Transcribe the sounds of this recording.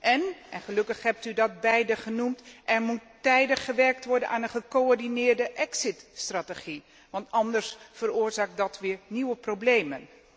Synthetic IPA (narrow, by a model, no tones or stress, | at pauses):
ʔɛnʔɛnχəlɵkəχɦɛp̚tydɔt̚bɛjdəχənumtʔɛrmutː | ɛjdəχːəʋɛrk̚tʋɔɹdənʔaːnənχəkoɔɹdinɪːrdəʔɛksɪtstrateχi | ʋɑntɑndərsfərʊːɹzaːk̚dɑtʋɪːɹniwəproblejmən